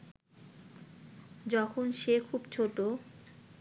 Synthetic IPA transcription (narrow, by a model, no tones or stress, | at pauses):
d͡ʑɔkʰonʃekʰubt͡ɕʰoʈo